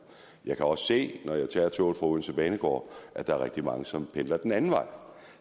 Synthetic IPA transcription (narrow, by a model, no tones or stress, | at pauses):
jɑ̈ɪkʰæɒ̽sse̝̰ːnɒjɑ̈ɪt͡sʰɛ̰ːɐt͡sʰo̰ːð̥ˠfʁɑ̈uðˠn̩t͡sʰeb̥ɛːnəɡ̥ɒ̰ːʔæd̥ɑ̈æɐʁeɡ̥̚d̥imɑ̈ŋəsɒ̽mpʰend̥ɐd̥enænn̩ʋɑ̈ɪ̰